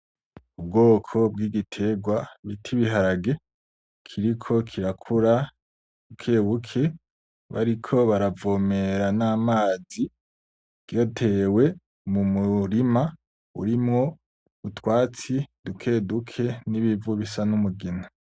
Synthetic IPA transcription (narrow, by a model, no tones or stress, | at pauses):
ub̚ɡo̞ːkʰo̞b̚ɡiɡitʰe̞ɡwaβitʰiβiɦaɾaɡe̞ | kʰiɾikʰo̞kʰiɾakʰuɾa | d̥ukʰe̞ːwukʰe̞ | βa̰ɾikʰo̞βaɾavo̞ːme̞ɾanaːmaːzi | ɡ̥jo̞tʰe̞we̞ | mumuɾima | ṵɾimŋo̞ | utwaːt͡sidukʰe̞ːdukʰe̞niβivuβisanumuɡina